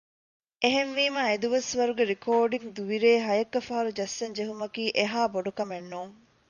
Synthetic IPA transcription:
eɦenʋiːmaed̪uʋɐsʋɐɾuɡeɾikoːɖiŋd̪uʋiɾeːɦɐjɐkːɐfɐɦɐɾud͡ʒɐsːɐɲd͡ʒeɦumɐkiːʔeɦaːboɖukɐmenːuːŋ

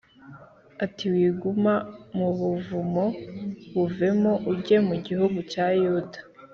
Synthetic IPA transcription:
atiwiːɡumamuβuvumoβuve̞mo̞ʔuɟe̞muɟihuɡucajodḁ

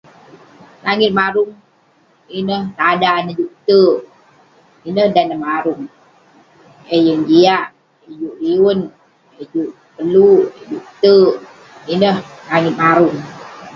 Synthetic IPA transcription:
laŋɪt̪̚maɾuŋ | inəhtadanəd͡ʒuʔkt̪ə | inəhdanəmaɾuŋ | ejuŋd͡ʒiaʔ | ejuʔɾiun | ed͡ʒuʔ | pəlud͡ʒuʔt̪ə | inəhlaŋɪt̪̚maɾuŋ

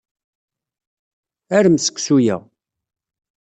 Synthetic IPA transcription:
æɾəmsə̥kːsujæ̰

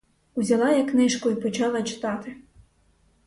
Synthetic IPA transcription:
uzʲɐlˠɑjɐknɪʃkʊipɔt͡ʃɑlˠɐt͡ʃɪ̥t̪ɑt̪ɪ

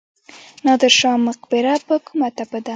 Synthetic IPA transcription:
nɑd̪ɪɾʃɑmʊqbɪɾapəkʰumat̪abəd̪a

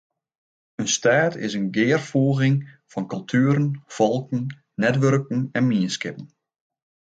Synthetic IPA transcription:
ənstaːtʰɪ̰sənɡɪːərfoːɣɪŋfɔnkɵlˠtʰyːɾənfɔlˠkən̩ | nɛtʋørkən̩ɛnmiənskɪpən̩

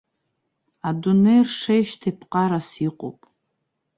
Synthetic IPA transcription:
adunejrʂejʃtʰapʰqʼaɾasiqʷʼo̰pʼ

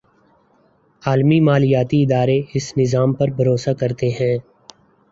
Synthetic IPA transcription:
aːlmimaːlijaːt̪iɪd̪aːɾeɪsnɪzaːmpɐɾbʱɐɾoːsakɐɾt̪eɦɛ̃ː

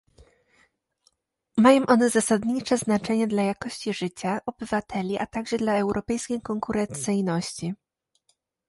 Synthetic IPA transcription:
majɔ̃w̃ʔɔnɛzasad̪ɲit͡ʂɛznat͡ʂɛɲɛd̪lajakɔɕt͡ɕiʐɘt͡ɕaʔɔbɘvat̪ʰɛlʲiʔat̪aɡʐɛd̪laɛwɾʔɔpɛjskʲejkɔŋkuɾɛnt̪sɘjnɔɕt͡ɕi

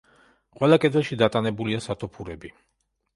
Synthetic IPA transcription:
qʼwɛlˠakʼɛd̪vɛlˠʃid̪at̪ʼanɛbuliasat̪ʰɔpʰuɾɛbi

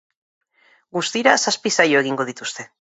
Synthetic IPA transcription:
ɡust̪iɾasaspisajoe̞ɣiŋɡo̞ð̞it̪ust̪e̞

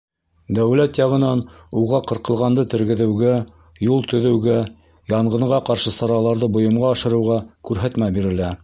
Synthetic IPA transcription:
d̪æwlæt̪jɑʁɤ̆nɑnuʁɑqɤ̆ɾqɤ̆lˠʁɑnd̪ɤt̪ɘ̆ɾɡɘ̆ðɘ̆wɡæ | julˠt̪ɵ̆ðɘ̆wɡæ | jɑɴɢɤ̆ɴʁɑqɑɾʃɤsɑɾɑlˠɑɾðɤbŏjɤ̆mʁɑɑʃɤ̆ɾɤ̆wʁɑkʉɾɦæt̪mæbiɾɘ̆læ

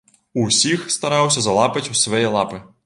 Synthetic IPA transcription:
uwsʲixst̪ɐɾɑwsʲɐzɐlˠapɐt͡sʲusvɐjɛlˠapɨ

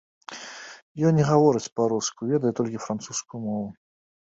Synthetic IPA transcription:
jɔnʲɛɣavɔɾɨt͡sʲpɐɾuskʊjvʲɛd̪ɐjɛt̪ɔlʲkʲɪfɾant̪suskʊjʊmɔvʊ

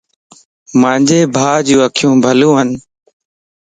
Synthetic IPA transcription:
mãːɲd͡ʒeːbʱaːd͡ʒuːəkʰjũːbʱəlũːɦən

